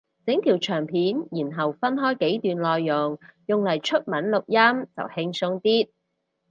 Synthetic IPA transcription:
t͡sɪ˨˥ŋt̪ʰiː˨˩wt͡ʃʰœː˨˩ŋpʰiː˨˥njiː˨˩nɦɐ˨˩wfɐ˥nɦɔː˥jke˨˥jt̪yː˨nlɔː˨jːʊ˨˩ŋjʊ˨ŋlɐ˨˩jt͡ʃʰɵ˥t̚mɐ˨˥nlʊ˨k̚jɐ˥mt͡sɐ̰˨whɪ˧ŋsʊ˧ŋt̪iː˥t̚

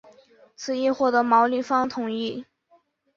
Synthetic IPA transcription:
t͡sʰɹ̩˧˩i˥˧xwɔ˥˩t̪ɤ˧˥mɑ˧˥ʊly˨˩fɑ˥ŋt̪ʰʊ˨˩˦ŋi˥˩

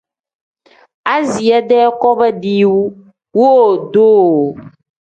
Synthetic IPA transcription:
a˦zi˨ɛ˦ɖɛ˦kɔ˦bɛ˦ɖi˦wu˦ | wo˦˨do˦˨

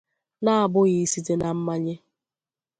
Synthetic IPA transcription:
na˦a˨bʊ˦ɣi˨i˦si˦te˦na˨m̩˦ma˦ɲe˦

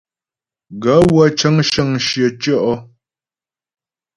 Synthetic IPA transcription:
ɡa˨˦wa˦t͡ʃə˦ŋʃə˦˨ŋʃjə˨t͡ʃɔ˦ʔɔ˦

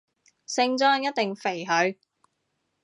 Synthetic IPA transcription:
sɪ˧ŋt͡sœː˥ŋjɐ˥t̪̚t̪e˨ŋfe˨˩jɦɵ˨˧ɥ

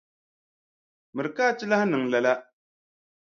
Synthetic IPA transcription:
mɨ˨ɾɨ˨kaː˦˨t͡ʃɪ˦la˦hnɨ˨ŋla˨la˦

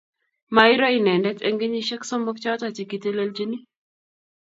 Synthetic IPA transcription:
ma˨ɪ˦ɾɔ˦ɪ˨nɛ˨ndɛ˦te˦ŋɡe˦ɲi˦ʃɛ˦kso˦mbo˦kt͡ʃa˦ɔ˦ta˨t͡ʃi˨ki˨te˦le˦ld͡ʒi˦ni˦

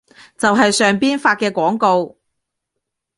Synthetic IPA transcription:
t͡sɐ˨wɦɐ˨jsœː˨ŋpiː˥nfaː˧t̚kɛː˧kʷɔː˨˥ŋko˧w

